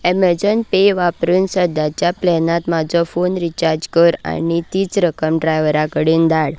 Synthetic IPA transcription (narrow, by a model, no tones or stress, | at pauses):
ɛməd͡zənpeʋapɾunsəd̪at͡ɕjaplɛnãt̪mad͡zɔfonɾit͡ɕaɾd͡ʑkəɾa̰nit̪iːt͡sɾəkəmɖɾajʋəɾakəɽind̪aɽ